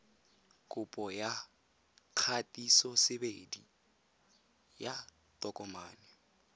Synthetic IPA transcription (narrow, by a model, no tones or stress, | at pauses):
kʼʊpʼɔja | kʰatʼisɔsɪbedi | ja | tʼɔkʼɔmaːnɪ